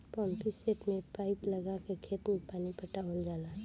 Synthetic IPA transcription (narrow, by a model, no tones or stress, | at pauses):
pɔːmpiseʈmẽpaːɪpləɡakekʰeːt̪mẽpaːnipəʈaɦold͡ʒaːla